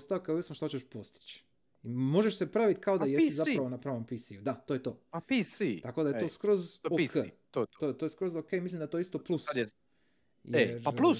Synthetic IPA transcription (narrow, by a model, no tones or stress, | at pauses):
st̪aʋkauisnoʃt̪at͡ɕeʃpo̞st̪i̥t͡ɕ | imo̞ʒeʃse̞pɾaʋit̪kaod̪ajesizapɾaʋonapɾaʋompisijud̪at̪ojet̪o̞̰ːapisit̪akod̪ajet̪oskɾozoket̪ot̪oet̪ojeskɾozokemislimd̪aet̪oist̪o̞plˠus | jeɾaplu